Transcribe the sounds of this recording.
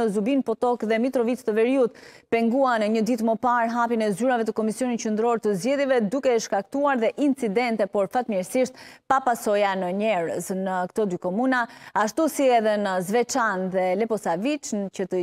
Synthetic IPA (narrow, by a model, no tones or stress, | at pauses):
əzubinpɔt̪ɔkðɛmit̪ɾɔvit͡st̪əvɛɾiut̪̚pɛŋɡuanəɲəd̪it̪məpaɾɦapinɛzyɾavɛt̪əkɔmisjɔnit̪cənd̪ɾɔɾt̪əzɟɛðjɛvɛd̪ukɛʃkak̚t̪uaɾðɛʔint͡sid̪ɛnt̪ɛpɔɾfat̪mjɛɾsiʃt̪̚papasɔjanəɲɛɾə̰snəkt̪ɔd̪ykɔmunaaʃt̪usiɛðɛnəzvɛt͡ʃanðɛlɛpɔsavit͡ʃcət̪ə